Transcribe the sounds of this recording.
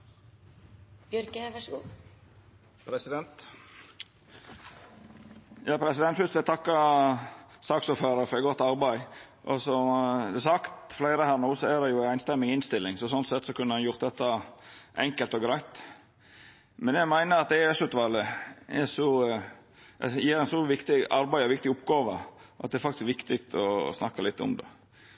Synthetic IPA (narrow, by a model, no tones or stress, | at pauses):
b̥jœɾkəhɛʋəʂkuː | pʰɾɛsɪd̪ɛnt̪ | jɑːpʰɾɛsɪd̪ɛnt̪fʏst̪ʋɛæt̪ʰɑkːɑ | sɑːksuːɾføːɾəɾfɔɾɛɡɔt̪ːɑɾbæɪ | ʔɔsɔsɑkt̪flæɪɾəhæːɾɳuːsɔæd̪ɛjʊæɪnst̪ɛmːɪŋɪnst̪ɪlːɪŋsɔsɔnt̪sɛt̪ːsɔkʉnːəɑnjʊɾt̪d̪ɛt̪ːɑʔɛŋkəlt̪ɔɡɾæɪt̪ | mɛnjæɡmæɪnəɾɑt̪̚d̪ɛɛʂʉːt̪ʋɑːlɪɛ̰sɔ | ɛjiːɾæɪnsɔʋɪkt̪ɪɑɾbæɪɔʋɪkt̪ɪʊpːɡɑːʋəʔɑ̰t̪̚d̪ɛɾfɑkt̪ɪ̥skʋɪkt̪ɪkt̪ɔ̰snɑkːɑlɪt̪ːɔ̰md̪ɛ̰